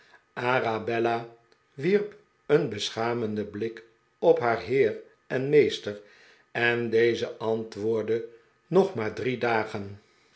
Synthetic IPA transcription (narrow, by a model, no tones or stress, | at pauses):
ʔarabɛla | ʋirp | ənbəsχaːməndəblɪk | ɔpɦaːɹɦɪːr | ɛnmejstəɹ | ɛndejzəʔɑntʋʊːɹdə | nɔχmaːɹdridaːχən